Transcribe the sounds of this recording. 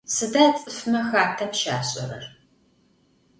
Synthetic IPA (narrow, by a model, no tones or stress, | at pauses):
sɨdaːt͡sʼɨfmɐxaːtʰɐmʃa̰ːɕʼɐɾɐ̰r